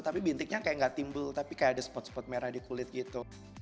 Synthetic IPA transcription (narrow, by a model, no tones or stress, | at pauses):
t̪apibint̪ɪk̚ɲakajaʔŋɡaʔt̪imbʊlt̪apikajaʔadasə̥pɔt̪sə̥pɔt̪̚meɾahdikulɪt̪̚ɡit̪u